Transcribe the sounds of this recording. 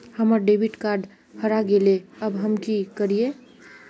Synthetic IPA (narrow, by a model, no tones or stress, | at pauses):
həməɾɖebʱiʈkaɾɖ | həɾaɡeleəbɦəmkikəɾije